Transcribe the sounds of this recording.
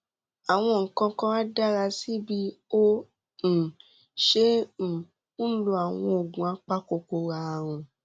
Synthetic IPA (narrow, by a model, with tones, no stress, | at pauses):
a˨w̃ɔ̃˧ŋ̩˨kã˧kã˧˦a˦da˦ɾa˧si˦bi˦o˦ | ñ̩˨ | ʃẽ˦˨ | ũ˦lu˧˦a˨w̃ɔ̃˧o˨ɡũ˨a˧˦k͡pa˦ko˧ko˨˧ɾa˧˨ɾ̃ɔ̃˧